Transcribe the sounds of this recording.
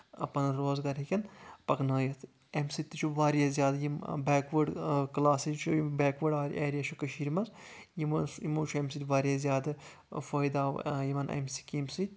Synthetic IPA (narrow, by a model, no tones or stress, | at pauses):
ɐ̰pɐnɾoːzɡɐɾɦikʲɐnpɐknaːjɐt̪ʰ | emsit̪it͡ʃʰuʋaːɾijazjaːd̪jimbeːkʋəɖklaːsit͡ʃʰubeːkʋəɖaːɾʲʔeːɾijat͡ʃʰukɐʃiːɾmɐz | jimjimuːt͡ʃʰuemsit̪ʲʋaːɾjaːzjaːd̪ɨ | foːjd̪aːʋ̰jimɐnʔḛmsi̥kimsi